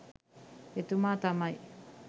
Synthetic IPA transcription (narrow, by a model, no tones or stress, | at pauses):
et̪umat̪amaj